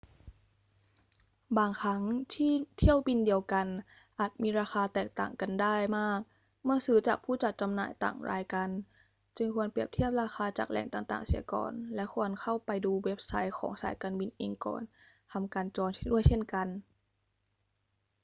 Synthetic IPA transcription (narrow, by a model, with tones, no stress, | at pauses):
baː˧ŋkʰa˦˥ŋt̪ʰiː˥˩t̪ʰi˥˩əwbi˧ndi˧əwka˧n | ʔaː˨˩t̪̚mʔiː˧ɾaː˧xaː˧t̪ɛː˨˩k̚t̪a̰ː˨˩ŋka˧ndaː˥˩jmaː˥˩k̚ | mɯ˥˩əsɯː˨˩˦t͡ɕaː˨˩k̚pʰuː˥˩t͡ɕa˨˩t̪̚t͡ɕa˧mna̰ː˨˩jt̪a̰ː˨˩ŋɾaː˧jka˧n | t͡ɕɯ˧ŋkʰu˧ənpi˨˩əp̚t̪ʰi˥˩əp̚ɾaː˧xaː˧t͡ɕa̰ː˨˩k̚lɛ̰˨˩ŋt̪aː˨˩t̪aː˨˩ŋsḭ˩˦ɐkɔ̰ː˨˩nlɛ˦˥kʰu˧ənkʰa˥˩wpa˧jduː˧we˦˥p̚sa˦˥jxʰɔ̰ː˩˦ŋsa̰ː˩˦jkaː˧nbi˧nʔeː˧ŋkɔ̰ː˨˩n | t̪ʰa˧mkaː˧nt͡ɕɔː˧n˥du˥˩əjt͡ɕʰe˥˩nka˧n